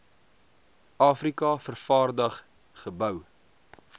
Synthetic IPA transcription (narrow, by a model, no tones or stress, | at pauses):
ɑːfrikɐfərfɑːrdəχ | χəbœw